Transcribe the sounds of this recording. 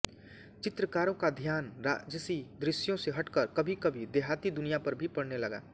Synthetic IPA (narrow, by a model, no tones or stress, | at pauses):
t͡ʃɪt̪ɾəkaːɾõkad̪ʱjaːnɾad͡ʒəsid̪ɾɪsjõseɦɐʈkəɾkɐbʱikɐbʱid̪eːɦaːt̪id̪ʊnijapɐɾbʱipɐɽnelɐɡa̰ː